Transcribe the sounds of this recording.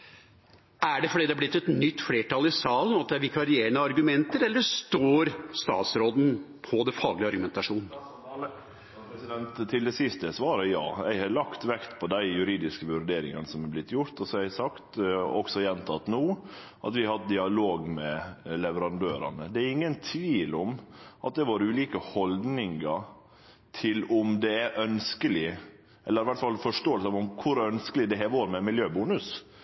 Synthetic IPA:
æɖɛfɔɖiːd̪ɛæblɪt̪ːɛt̪nʏt̪ːfleːʈɑːlɪsɑːlənɑt̪̚d̪ɛæɾʋɪkʰɑɾɪeːəɳəɑɾɡʉmɛnt̪əɾɛlːəst̪oːɾst̪ɑ̰ːt̪sɾoːd̪n̩ | pʰɔd̪ɛfɑːɡlɪɑɾɡʉmɛnt̪ɑʂuːnn | sɪd̪ɛnt̪ʰːɪld̪ɛsɪst̪əsʋɑːɾəjɑ̰ːjæɪhɑlɑkt̪ʋɛkt̪pʰɔd̪æɪjʉɾiːd̪ɪskəʋʉɾɖ̪eːɾɪ̰ŋɑ̰nəsɔmɑblɪt̪ʰːjʊɾt̪ɔsɔɛæsɑkt̪ɔksɔjɛnt̪ʰɑt̪ːnuː | ʔɑ̰t̪ʋɪɑhɑt̪̚d̪ɪɑloːɡmɛlɛʋəɾɑnd̪øːɾɑ̰nəd̪ɛæɾɪŋːənt̪ʰʋiːlɔmʔɑt̪̚d̪ɛːɾʋoːɾəʉːliːkəhɔld̪nɪŋɑ | t̪ʰɪlɔmd̪ɛæɾʔœnskəlɪ | ʔɛlːəɾɪʋæʈt̪fɑlfɔʂʈoːəlsəɑɔmkʰʊɾœnskəlɪd̪ɛɦɛʋoːɾmɛmɪljøːbuːnʉs

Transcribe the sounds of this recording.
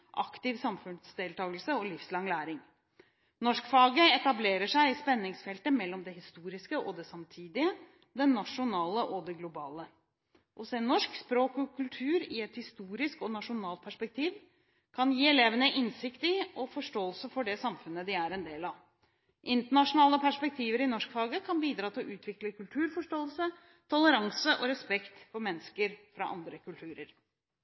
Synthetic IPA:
ʔɑ̰kt̪ɪʋsɑmfʉnsd̪eːlt̪ʰɑːɡəlsəɔlɪfslɑŋlæːɾɪŋ | nɔʂkfɑːɡəɛt̪ɑbleːɾəʂæɪɪspɛnːɪŋsfɛlt̪əmɛlːɔmd̪ɛɦɪst̪uːɾɪskəʔɔd̪ɛsɑmt̪ʰiːd̪ɪə | d̪ɛnːɑʂʊnɑːləʔɔd̪ɛɡlʊbɑːlə | ʔɔseːnːɔʂkspɾoːkɔkʰʉlt̪ʰʉːɾɪɛt̪hɪst̪uːɾɪskɔnɑʂʊnɑːlt̪̚pʰæʂpɛk̚t̪ʰiːʋ | kʰɑnjiːɛleːʋənəʔɪnsɪkt̪ɪɔfɔʂʈoːəlsəfɔɖɛsɑmfʉnəd̪ɪæɾɛnd̪eːlɑʋ | ʔɪnt̪əɳɑʂʊnɑːləpʰæʂpɛk̚t̪ʰiːʋəɾɪnɔʂkfɑːɡəkʰɑnbiːd̪ɾɑːt̪ʰɪlʔʉːt̪ʰʋɪkləkʰʉlt̪ʰʉːɾfɔʂʈoːəlsə | t̪ʰɔləɾɑŋsəʔɔɾɛspɛkt̪fɔɾmɛnːəskəɾfɾɑ̰ʔɑ̰nd̪ɾəkʰʉlt̪ʰʉːɾəɾ

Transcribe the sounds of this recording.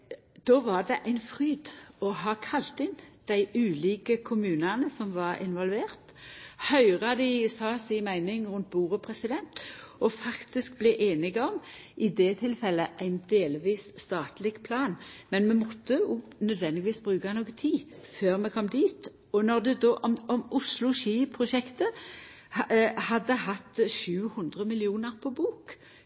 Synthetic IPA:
d̪̥oːʋɑʁd̪ɛʔæɪnfʁyːd̪ɔɦɑːkʰɑlt̪ɪnd̪̥æɪʔʉːliːkəkʰʊmʉːnɑnəsɔmʋɑʁɪ̰nʋɔlʋeːʁt̪hœʏʁɑd̪ɪsɑːsɪnmæɪnɪŋʁʉnt̪̚buːʁəpʰʁɛsɪd̪ɛnt̪ɔfɑkt̪ɪsk̚blɛʔeːnɪɡəɔm | ɪd̪ɛt̪ʰɪlfɛlːəʔæɪnd̪eːlʋiːsst̪ɑːt̪lɪɡpʰlɑːnmɛnmɛmɔt̪ʰːənœd̪ʋɛnd̪ɪɡɪʋiːsbʁʉːkanoːɡət̪ʰiːføːʁmɛkʰɔmːd̪iːt̪ | ɔnɔʁd̪ɛd̪oːʔɔmɔmʊslʊʃiːpʰʁʊʃɛkt̪ə | hhɑd̪ːəhɑt̪ːʃʉːhʉnd̪ʁəmɪlɪuːnəʁpʰɔbuːk

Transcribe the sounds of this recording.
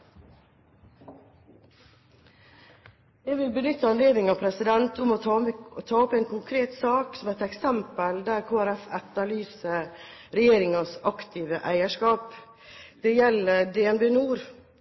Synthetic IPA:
jɛʋɪlbənʏt̪ːəɑnleːd̪nɪŋɑʋpʰɾɛsɪd̪ɛnt̪ʰʊmɔt̪ʰɑːɔpeːnkʰʊŋkʰɾeːt̪sɑːksɔmæt̪ɛksɛmpəld̪æɾkʰoːæɾæfɛt̪ɑɭyːsə | ɾɛjeːɾɪŋɑsɑkt̪ʰiːʋəʔæɪəʂkɑːp | d̪̥ɛːjɛləd̪eːɛnbeːnuːɾ

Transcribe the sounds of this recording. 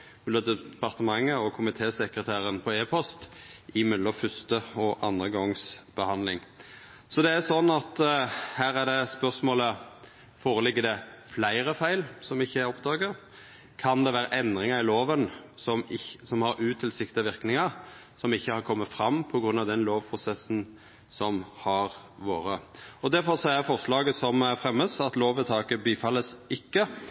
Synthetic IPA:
mʉlːɔd̪ɛpʰɑʁt̪əmɑŋːəɔkʰʊmɪt̪ʰeːsɛkɾət̪ʰæːɾənpʰɔeːpʰɔst̪ʔɪmɛlːɔfʏst̪əɔʔɑnd̪ʁəɡɔŋsb̥əhɑnlɪ̰ŋ | sɔd̪ɛæsɔnːɑt̪hæːʁæd̪ɛspœʁsmoːlə | foːɾəlɪɡːəd̪ɛflæɪʁəfæɪlsɔmɪçːəæɾɔpd̪ɑːɡəʁ | kʰɑnd̪ɛʋæːɾəʔɛnd̪ɾɪŋɑɾɪloːʋənsɔmɪsɔmhɑɾʉːt̪ʰɪlsɪkt̪ɪəʋɪɾknɪŋɑ | sɔmɪçːəhɑɾkʰɔmːət̪fɾɑmːpʰɔɡɾʉnɑʋd̪ɛnloːʋpʰʁʊsɛsn̩ | sɔmhɑɾ | ʋo̰ːɾəɔd̪æɾfɔʁsɔæfɔʁʂlɑːɡəsɔmfɾɛmːəsɑt̪loːʋət̪ʰɑːkəbiːfɑlːəsɪkːə

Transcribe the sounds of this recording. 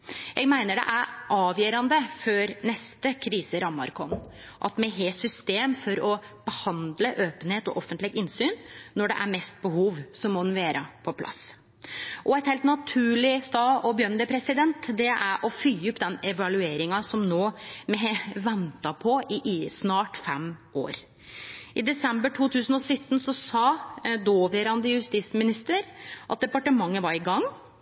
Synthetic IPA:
jʔɛɡmæɪnəɖɛ̰ʔæɾʔɑːʋjœːɾɑnd̪əføɾnɛst̪əkʰɾiːsəɾɑmːɑ̰ɾkʰɔn | ʔɑt̪mɛɦeːsʏst̪eːmfɔɾɔb̥əhɑnd̪ləʔøːpənheːt̪ɔ̰ʔɔfənt̪lɪɡɪnsyːnnɔɖɛ̰ʔæɾmɛst̪̚bəhuːʋsɔmːɔnʋeːɾʔɑpʰɔpʰlɑ̰s | ʔɔɛɪt̪heːlt̪nɑt̪ʰʉːɭɪst̪ɑːɔbjœnd̪əpʰɾɛsɪd̪ɛnt̪d̪ɛʔæɾʔɔfyjʊpːd̪ɛnɛʋɑlʉeːɾɪŋɑsɔmnoːmɛʋɛnt̪ɑpʰɔʔɪʔɪsnɑːʈfɛmo̰ːɾ | ʔɪd̪ɛsɛmbəʈʰuːt̪ʰʉːsənɔsʏt̪ːn̩sɔsɑːd̪oːʋeɾɑnd̪əjʉst̪iːsmɪnɪst̪əɾʔɑt̪̚d̪ɛpɑʈəmɑŋːəʋɑɾɪɡɑŋː

